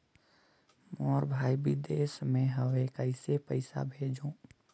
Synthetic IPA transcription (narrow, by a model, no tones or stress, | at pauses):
moɔɾbʱaːibɪd̪eːsmẽɦəʋekəɪsepəɪsa̰bʱeːd͡ʒõː